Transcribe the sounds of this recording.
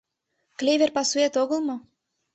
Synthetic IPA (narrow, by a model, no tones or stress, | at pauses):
klʲevʲerpɑsuet̪oɣɤ̆lˠmɤ̆